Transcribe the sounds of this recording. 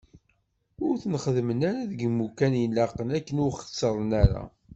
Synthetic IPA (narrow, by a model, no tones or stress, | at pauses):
ʊɾθənχəðmənaɾaðəɡmːukænjəlːɑqənækːənʊχə̥sːəɾˤənæɾa̰